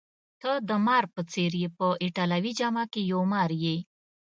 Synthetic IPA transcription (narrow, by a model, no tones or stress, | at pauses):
t̪ʰəd̪əmɑɾpət͡seɾjepəiʈalawid͡ʒamakejomɑɾje